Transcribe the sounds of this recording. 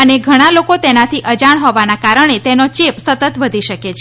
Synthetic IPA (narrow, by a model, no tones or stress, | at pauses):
əneɡʱəɽ̃alokot̪enat̪ʰiʔəd͡ʒaɳ̃ɦɔʋanakaɾəɽ̃et̪enot͡ʃepsət̪ət̪ʋəd̪ʱiʃəket͡ʃʰ